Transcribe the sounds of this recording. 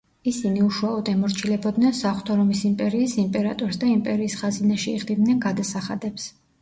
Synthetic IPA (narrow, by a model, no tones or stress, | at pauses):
isiniuʃualˠɔd̪ɛmɔɾt͡ʃʰilɛbɔd̪nɛnsaχt̪ʰɔɾɔmisimpʼɛɾiːsimpʼɛɾat̪ʼɔɾsd̪aimpʼɛɾiːsχazinaʃḭːʁd̪id̪nɛnɡad̪asaχa̰d̪ɛps